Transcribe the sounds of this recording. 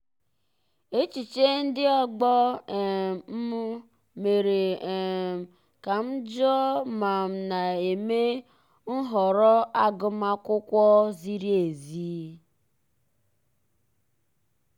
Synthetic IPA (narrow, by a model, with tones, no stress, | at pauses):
e˦t͡ʃi˨t͡ʃe˦n̩˦dɪ˦ɔ˦ɡ͡bɔ˦˨ | m̩˦m˦ | me˨ɾe˨ | ka˨m̩˦d͡ʒɔ˦ma˨m̩˨na˨e˨me˦ | n̩˦ɦɔ˨ɾɔ˦a˦ɡʊ˦ma˦kʊ˦kʷɔ˦zi˦ɾi˦e˨ziː˦